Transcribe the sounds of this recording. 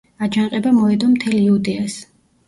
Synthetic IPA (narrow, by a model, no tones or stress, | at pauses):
ad͡ʒanqʼɛbamɔɛd̪ɔmt̪ʰɛliud̪ɛas